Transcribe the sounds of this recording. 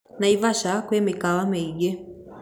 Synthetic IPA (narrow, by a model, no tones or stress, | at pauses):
naivaʃakwɛmɛkawamɛiɡɛ